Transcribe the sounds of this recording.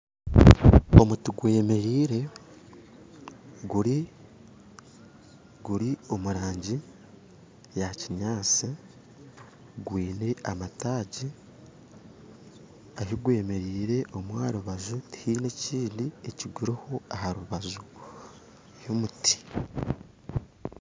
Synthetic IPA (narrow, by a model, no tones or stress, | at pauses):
o̞mutiɡwe̞ːme̞ɾiːɾe̞ | ɡuɾi | ɡuɾio̞muɾaːɲɟi | jaciɲaːt͡si | ɡwiːne̞amataːɟi | ahiɡwe̞ːme̞ɾiːɾe̞ʔo̞mwaːɾuβazuti̥hiːneciːndie̞ciɡuɾiho̞ahaɾuβazu | jomuti̥